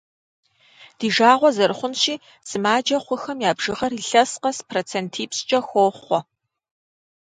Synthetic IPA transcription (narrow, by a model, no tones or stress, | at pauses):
d̥iːʒaːʁʷɔzɐɾχʷʊnʃiː | z̥ɨmaːd͡ʒɐχʷʊxɐmjaːbʒɨʁɐɾiɬɐsqɐspʰroːt͡sʰeːntʰiːpst͡ʃʼɐxʷoːχʷɔ